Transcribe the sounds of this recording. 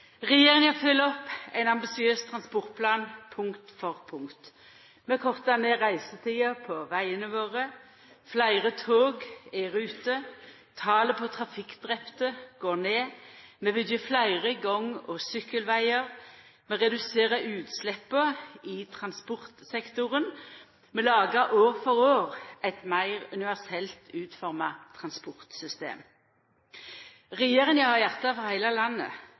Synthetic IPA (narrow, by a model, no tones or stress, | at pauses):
ʁɛjeːʁɪŋɑfʏlːɔpæɪnɑmbɪsɪøːst̪ʰʁɑnspɔʁt̪̚pʰlɑːnpʰʊŋkt̪fɔʁpʰʊŋkt̪ | mɛkʰɔʁt̪ɑneʁæɪsət̪ʰiːəpʰɔʋæɪənəʋoːʁə | flæɪʁət̪ʰoːɡæʁʉːt̪ə | t̪ʰɑːləpʰɔt̪ʰʁɑfɪkd̪̥ʁɛpt̪əɡ̥oːneːmeːʋɪd̪jəflæɪʁəɡɔŋːɔsʏkːəlʋæɪəʁmɛʁɛd̪ʉseːʁəʔʉːt̪slɛpːəɪt̪ʰʁɑnspʊʁt̪sɛkt̪ʊʁən | mɛlɑːɡəʔoːʁfɔʁoːʁɛt̪mæɪʁʉnɪʋæʁsɛlt̪ʰʉːt̪fɔʁmɑt̪ʰʁɑnspɔʁt̪sʏst̪ḛːm | ʁɛjeːʁənjɑhɑjæʁt̪ɑfɔʁhæɪlɑlɑnːə̰